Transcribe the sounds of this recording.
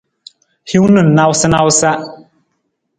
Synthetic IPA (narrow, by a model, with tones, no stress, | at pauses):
hi˦wnɨ˨n̩˨na˦wsɨ˦na˦wsa˦